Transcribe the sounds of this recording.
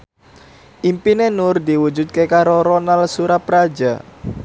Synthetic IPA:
ʔimpinenʊrd̪iwud͡ʒut̪̚kekaɾoɾonalsuɾapɾad͡ʒa

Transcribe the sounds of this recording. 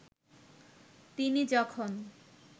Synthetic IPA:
t̪inid͡ʑɔkʰon

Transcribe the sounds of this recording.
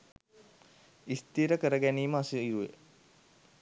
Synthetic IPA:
ist̪iːɾəkəɾəɡæniːməasuijuʋḛ

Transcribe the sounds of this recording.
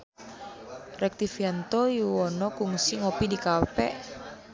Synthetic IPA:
rɛk̚t̪ifiant̪ɔjuɔnɔkuŋsiŋopidikapɛʔ

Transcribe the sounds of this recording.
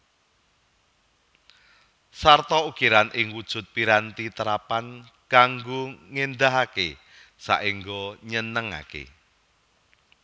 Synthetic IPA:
sart̪ɔukiɾanʔɪŋwud̥ʒ̥ʊ̤t̪̚piɾant̪it̪əɾapan | kaŋɡoŋend̪aɦake | sa̰ʔiŋɡoɲənəŋa̰kḛ

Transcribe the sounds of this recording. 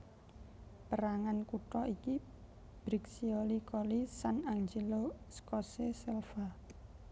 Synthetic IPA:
pəɾaŋankuʈɔʔiki | b̥ɾiksiolikolisanaŋd͡ʒeloskɔsesɛlfa

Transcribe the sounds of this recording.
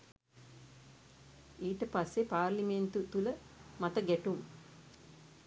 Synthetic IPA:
iːʈəpasːepaːrliment̪ut̪uləmat̪əɡɛʈum

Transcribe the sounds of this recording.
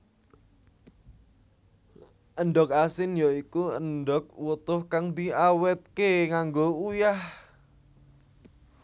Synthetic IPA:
ʔənɖɔk̚asɪnjɔikuənɖɔk̚wət̪ʊhkaŋd̪iawɛt̪̚keŋaŋɡoujah

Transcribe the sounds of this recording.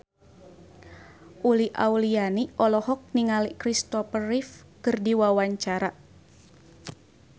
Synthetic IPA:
ʔuliʔa̰ulianiʔɔlɔhɔk̚niŋalikɾist̪ɔpərif | kɨrdiwawaɲt͡ʃaɾa

